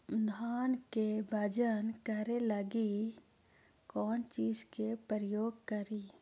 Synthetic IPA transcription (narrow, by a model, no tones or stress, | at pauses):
d̪ʱaːnkebʱəd͡ʒənkəɾeləɡi | kɔːnt͡ʃiːd͡ʒkepəɾəjoːɡkəɾi